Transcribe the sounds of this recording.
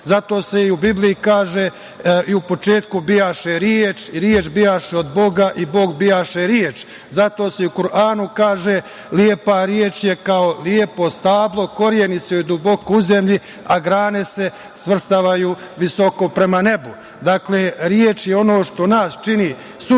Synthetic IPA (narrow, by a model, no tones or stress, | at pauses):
zat̪o̞ːse̞iubiblijikaːʒe | iupo̞t͡ʃe̞ːt̪kubijaːʃeɾjeːt͡ʃiɾjeːt͡ʃbijaːʃeod̪bo̞ɡaʔibo̞ːɡbijaːʃeɾjeːt͡ʃ | zat̪o̞ːseiukuɾaːnukaːʒe | lie̞paɾjeːt͡ʃje̞kaoliepo̞st̪aːblˠo̞ko̞ɾjeniseid̪ubo̞kouze̞mʎi | aɡɾaːne̞se̞ | sʋr̩st̪aʋajuː | ʋiso̞ko̞pɾe̞mane̞bu | d̪aːkleːɾjeːt͡ʃjeo̞no̞ːʃt̪o̞naːst͡ʃini | su